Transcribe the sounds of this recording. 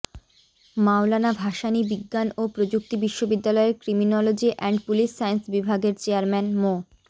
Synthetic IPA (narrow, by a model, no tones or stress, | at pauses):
mawlanabʱaʃanibiɡːanopɾod͡ʑuk̚t̪ibiʃːobid̪ːalɔeɾkɾiminɔlod͡ʑiʔɛɳɖpuliʃːajensbibʱaɡeɾt͡ɕeaɾmɛnmo